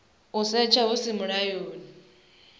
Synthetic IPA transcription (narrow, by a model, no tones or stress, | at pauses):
usɛt͡ʃʰaɦusɪmʊɺajoːni